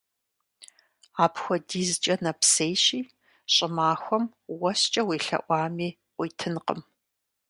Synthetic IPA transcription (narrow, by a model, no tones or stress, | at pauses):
aːpxʷɔdiːzt͡ʃʼɐnɐpseːjɕiː | ɕʼɪmaːxʷɔm | wɐst͡ʃʼɐweːɬɐ̰ʔʷɑːmiː | qʷijtʰɨnqə̰m